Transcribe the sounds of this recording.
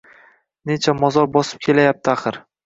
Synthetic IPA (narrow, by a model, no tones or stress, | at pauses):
ne̞t͡ʃʰamɒzɒɾbɒsɪ̥p̚kʲʰe̞lajap̚t̪ʰɪaχɨɾ